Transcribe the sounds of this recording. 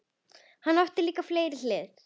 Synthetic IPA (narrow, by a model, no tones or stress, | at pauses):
hanːawht̪ɪliːkafleːjɾɪlɛːɾ̥